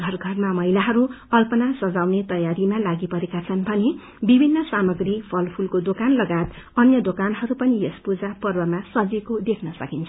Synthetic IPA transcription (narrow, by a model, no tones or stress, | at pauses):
ɡʱʌrɡʱʌrmamʌɦilaɦʌɾuʌlpʌnasʌd͡zawnet̪ʌjaɾimalaɡipʌɾekat͡sʰʌnbʱʌne | bibʱinːʌsamʌɡripʰʌlpʰulkod̪okanlʌɡat̪ʌnjʌd̪okanɦʌɾupʌnijʌspud͡zapʌrbʌmasʌd͡zekod̪ekʰnʌsʌkint͡sʰʌ